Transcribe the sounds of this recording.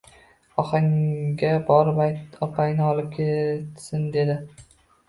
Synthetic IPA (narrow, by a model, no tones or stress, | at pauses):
ɒχaŋɡʲabɒɾbajt̪ɒpʰajnɪɒlɪp̚kʲʰet̪sɪnd̪e̞d̪ɪ